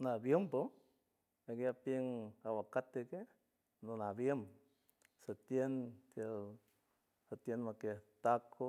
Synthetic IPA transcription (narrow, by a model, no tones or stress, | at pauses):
nabjəmpo | ekjapeŋawakat̪eke | nonabjəm | sat̪jent̪jel | sat̪jenmaket̪akʰːo